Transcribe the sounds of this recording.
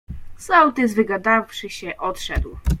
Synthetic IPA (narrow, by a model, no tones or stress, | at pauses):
sawt̪ɘzvɘɡad̪afʂɘɕɛʔɔt̪ʂɛd̪w